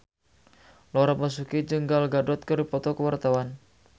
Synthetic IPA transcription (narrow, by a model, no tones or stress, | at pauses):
lɔɾapas̬ukid͡ʒəŋɡalɡadɔt̪̚kərdipɔt̪ɔkəwart̪awan